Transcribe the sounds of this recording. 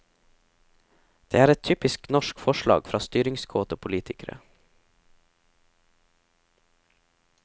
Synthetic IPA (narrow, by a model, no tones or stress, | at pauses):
d̪̥ḛːæːɾɛt̪ʰyːpɪsknɔʃkfɔʃɭɑ̰ːɡfɾʔɑːst̪yːɾɪŋskʰoːt̪oːpʰʊliːt̪ʰɪkəɾə̰